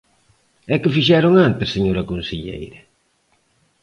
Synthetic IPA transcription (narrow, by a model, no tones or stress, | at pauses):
ɛkɪfiʃɛɾʊŋant̪ɪssːeɲoɾɐkonseʎḛjɾɐ